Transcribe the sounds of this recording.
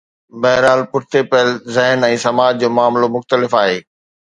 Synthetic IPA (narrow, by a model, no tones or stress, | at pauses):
bɐɦɪɾaːlpʊʈʰɪt̪epɐɦəlzɐɦnɛ̃ːsɐmaːd͡ʑd͡ʑoːmaːmlomʊxt̪əlɪfaːɦeː